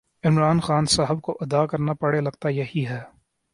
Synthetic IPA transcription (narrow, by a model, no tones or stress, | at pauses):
ɪmɾaːnxaːnsaːɦəb̚koʔɐd̪akɐɾnapɐɽelɐɡt̪ajɐɦiɦɛː